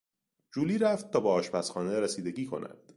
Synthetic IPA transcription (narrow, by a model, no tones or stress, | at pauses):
d͡ʒuːliːɾæft̪̚t̪ʰːɒːbɒɒːʃpæsχɒːneɾesiːd̪e̞ɟiːkʰo̞̰næ̰nd̪̥